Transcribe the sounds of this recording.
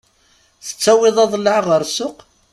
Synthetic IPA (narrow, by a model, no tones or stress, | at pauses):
θə̥t͡sːæwɪðˤɑðˤlːʕʁəɾsʊq